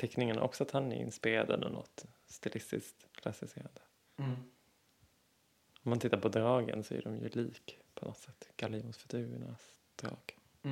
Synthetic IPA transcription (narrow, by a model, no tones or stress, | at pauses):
t̪ʰɛknɪŋənʔɔksɔat̪hanæɾɪ̰nspɪɾeːɾad̪əɛ̰nd̪ənɔ̰t̪st̪ɪlʔɪst̪ɪskt̪kʰlasɪseːɾand̪ə | ɔmːant̪ʰɪt̪ːaɾpɔd̪ɾɑːɡə̰nsɔæ̰ɖɔmjɵ̰liːkpʰɔnʔɔt̪sɛt̪ːɡ̥alɪʊnsfɵt̪ʰʉːɳas | d̪̥ɾɑːɡ̥